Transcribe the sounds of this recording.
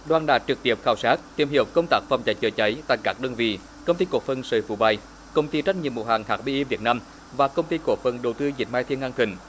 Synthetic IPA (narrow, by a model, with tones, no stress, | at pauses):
ɗwaː˨˩nɗa̰ː˧˨˩t͡ɕɨ˨˩k̚t̪i˧˩əp̚xaː˧˩wsaː˦˥k̚t̪i˨˩əmhɦi˨˩əwkə˧wŋ͡mt̪aː˦˥k̚fa˨˩wŋ͡mt͡ɕa˨˩j̚t͡ɕəː˨˩jt͡ɕə˨˦jt̪a̰ː˧˨jkaː˦˥k̚ɗəː˧nvḭ˧˩ | kə˧wŋ͡mt̪i˧ko˧˩əfə˧˩nsəː˧˨˩fu˧˩ɓa˧˩j | kə˧wŋ͡mt̪i˧t͡ɕa˧˦˥j̚ɲi˨əmṵ˨˧˩ɦaː˨˩ŋhaː˨˩k̚ɓi˧ʔi˧vi˨˩ət̚naː˧m | vaː˨˩kə˧wŋ͡mt̪i˧ko˧˩fə˧˩nɗo˨˩t̪ɨ˧zï˨˩t̚maː˧jt̪ʰi˧ənʔa˧nt̪wï˧˨˩ŋ̟